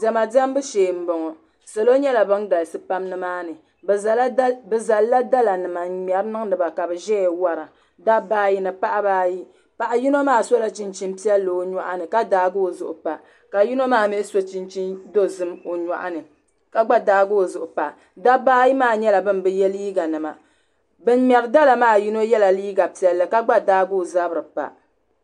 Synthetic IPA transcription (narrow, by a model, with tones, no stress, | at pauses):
zɛ˨ma˨da˦m˦bɨ˦ʃeː˨m̩˦bɔ˨ŋɔ˨ | sa˨lo˦ɲɛ˦la˨bɨ˦nɡa˨lsɨ˦pa˦mnɨ˦maː˦nɨ˨ | bbɨ˨za˨lːa˦da˦la˨nɨ˨ma˨ɲɛ˨ɾɨ˦nɨ˦ŋ˦nɨ˨ba˨ka˨bɨ˨ʒɛ˦ɛ˨wa˦ɾa˨ | da˦baː˦ji˦nɨ˨pa˦ʔa˦baː˦ji˦ | pa˨ʔa˨ji˦no˦maː˦so˦la˨t͡ʃi˨nt͡ʃi˦m˦pi˦ɛ˦lːo˨˦ɲa˦ʔa˦nɨ˨ka˦daː˨˦ɡo˦˨zʊ̰˨ʔʊ˨pa˨ | ka˨ji˦no˦maː˦mɪ˦so˦t͡ʃi˦nt͡ʃi˦ndo˦zɨ˦mo˨ɲa̰˨ʔa̰˦nɨ˨ | ka˦ɡ͡ba˦daː˦ɡoː˦˨zʊ˨ʔʊ˨pa˨ | da˦baː˦ji˦maː˦˨ɲɛ˦la˨bɨ˦n˨bɨ˦jɛ˦liː˦ɡa˨nɨ˨ma̰˨ | bɨ˦n˦mɛ˨ɾɨ˦da˦la˨maː˦˨ji˦no˦jɛ˦la˨liː˦ɡa˨pi˦˨ɛ˦lːɨ˨ka˦ɡ͡ba˦daː˦ɡoː˦˨za˦bɾɨ˨pa̰˨